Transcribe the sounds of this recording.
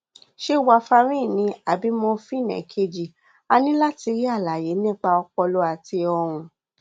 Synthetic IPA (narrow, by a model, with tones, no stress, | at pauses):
ʃe˦wa˧fa˧ɾ̃ĩ˦˨nĩ˧˦a˨bi˨˦mɔ̃˧fĩ˦nɛ̰̃˨kʰe˧d͡ʒi˨ | a˧nĩ˦la˦ti˧ɾi˦a˦˨la˨je˨˦nĩ˦˨k͡pa˧ɔ˧k͡pɔ˧lo˧˦a˨ti˧ɔ˧ɾ̃ũ˧